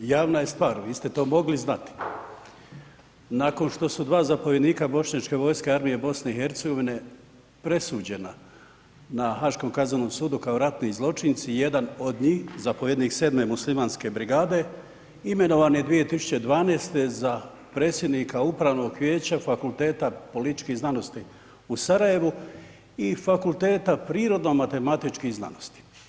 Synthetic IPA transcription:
jaːʋnajest̪ʋaːɾʋiːst̪et̪o̞ːmo̞ɡliznat̪i̥ | nako̞nʃt̪o̞sud̪ʋaːzapo̞ʋje̞d̪niːkabo̞ʃɲat͡ʃke̞ʋo̞ːjske̞aɾmijebo̞sne̞ixe̞ɾt̪seɡo̞ʋine̞ | pɾe̞suːd͡ʑe̞na | naxaʃko̞ːmkazano̞msuːd̪ukaoɾat̪nizlˠo̞t͡ʃint̪sije̞d̪ano̞d̪ɲiːxzapojed̪niːksed̪me̞muslimaːnske̞bɾiɡaːd̪e̞ | ime̞no̞ʋaːnje̞d̪ʋije̞t̪isu̥t͡ɕe̞d̪ʋaːneːst̪e̞za | pɾe̞ːt̪sjed̪niːkaupɾaːʋno̞ɡʋʲjeːt͡ɕafakulˠt̪e̞ːt̪apo̞lit̪i̥t͡ʃkiznano̞st̪i | usaɾaje̞ʋu | ifakulˠt̪e̞ːt̪apɾiːɾo̞d̪no̞mat̪e̞mat̪it͡ʃkihzna̰nost̪i̥

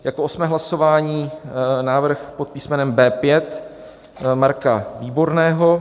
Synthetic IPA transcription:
jakoʔosmɛːɦlaso̞vaːɲiːnaːvr̩xpo̞t̪̚piːsmɛnɛmbɛːpjɛt̪ | maɾkaviːbo̞ɾnɛːɦo

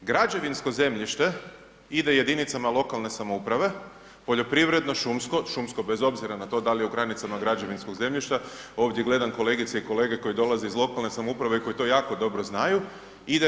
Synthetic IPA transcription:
ɡɾad͡ʒe̞ʋinsko̞ze̞mʎiʃt̪e̞ | id̪e̞je̞d̪init̪samalˠo̞kalˠne̞samoupɾaʋe̞ | po̞ʎo̞pɾiʋɾe̞d̪no̞ʃumsko̞ʃumsko̞be̞zo̞bziɾanat̪o̞d̪alijeuɡɾanit̪samaɡɾad͡ʒe̞ʋinsko̞ɡze̞mʎiʃt̪ao̞ʋd̪ʲjeɡle̞d̪aŋko̞le̞ɡit̪seiko̞le̞ɡe̞ko̞jid̪o̞lazeizlˠo̞kalˠne̞samoupɾaʋe̞iko̞jit̪o̞jaːko̞d̪o̞bɾoznaju | id̪e

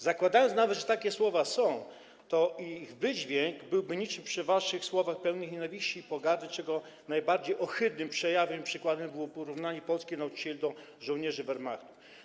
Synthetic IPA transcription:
zakwad̪ajɔnsnavɛt̪ʐɛt̪akʲɛswɔvasɔ̃w̃ | t̪ɔiɣvɘd͡ʑvʲjɛŋɡbɘwbɘɲit͡ʂɘmpʂɘvaʂɘxswɔvaxpɛwnɘxɲɛnavʲiɕt͡ɕiːpɔɡaɾd̪ɘt͡ʂɛɡɔ | najbaɾd͡ʑejʔɔxɘd̪nɘmpʂɛjavɛmpʂɘkwad̪ɛmbɘwɔpɔɾuvnaɲɛpɔlskʲinaut͡ʂi̥t͡ɕɛlʲd̪ɔ | ʐɔ̃w̃ɲɛʐɘvɛɾmakt̪uf

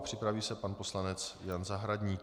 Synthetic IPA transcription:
pr̥ɪpɾaviːsɛpanpo̞slanɛt͡sjanzaɦɾadɲiːk

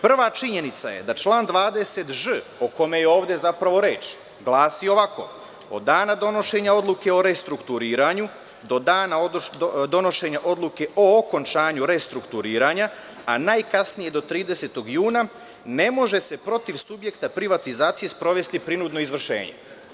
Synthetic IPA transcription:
pr̩ʋat͡ʃiɲe̞nit̪sa̰je̞̰d̪at͡ʃlˠaːnd̪ʋaːd̪e̞se̞t̪ʒɨoko̞mejeo̞ːʋd̪e̞zapɾaʋo̞ɾe̞ːt͡ʃ | ɡlˠaːsio̞ʋako̞̰ | o̰d̪ːaːnad̪o̞no̞ʃe̞ɲao̞d̪lˠuke̞o̞ɾe̞st̪ɾukt̪uɾiːɾaɲu | d̪o̞d̪aːnaod̪o̞no̞ʃe̞ɲaʔo̞d̪lˠuke̞ʔo̞ːko̞nt͡ʃaːɲuɾe̞st̪ɾukt̪uɾiːɾaɲa | anaːjkasnije̞d̪o̞t̪ɾiːd̪e̞set̪o̞ɡjuːna | ne̞mo̞ʒe̞se̞pɾo̞t̪iʋsubje̞kt̪apɾiʋat̪izaːt̪sije̞spɾo̞ʋe̞st̪ipɾinud̪no̞izʋr̩ʃe̞̰ːɲe̞̰

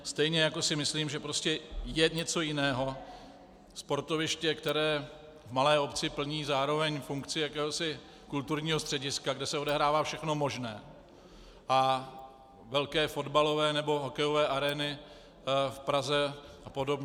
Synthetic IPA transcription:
st̪ɛjɲɛjako̞sɪmɪsliːmʒɛpɾo̞scɛjɛɲɛt͡so̞jɪnɛːɦo̞ | spo̞ɾt̪o̞vɪʃcɛkt̪ɛɾɛː | vmalɛːo̞pt͡sɪpl̩ɲiːzaːɾo̞vɛɲfuŋkt͡sɪjakɛːɦo̞sɪ | kult̪uɾɲiːɦost̪r̥ɛɟɪskaɡdɛsɛo̞dɛɦɾaːvaːfʃɛxno̞mo̞ʒnɛː | ʔa | vɛlkɛːfo̞dbalo̞vɛːnɛbo̞ɦo̞kɛjo̞vɛːʔaɾɛːnɪ | fpɾazɛʔapo̞dobɲɛ

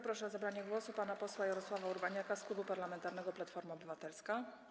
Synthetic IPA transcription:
pɾɔʂɛɔzabɾaɲɛɡwɔsupanapɔswajɛɾɔswavauɾbaɲakasklubupaɾlamɛnt̪aɾnɛɡɔplat̪fɔɾmaɔbɘvat̪ɛlska

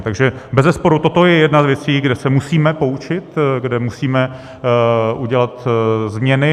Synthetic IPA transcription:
t̪aɡʒɛbɛzɛspo̞ɾut̪o̞t̪o̞jɛjɛdnazvjɛt͡siːɡdɛsɛmusiːmɛpo̞ut͡ʃɪt̪ɡdɛmusiːmɛ | ʔuɟɛlat̪zmɲɛnɪ

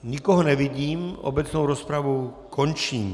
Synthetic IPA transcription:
ɲikɔɦɔɲɛʋiɟiːmɔ̰bɛt͡snoʊɾɔspɾaʋu | kʰɔɲt͡ʃiːm

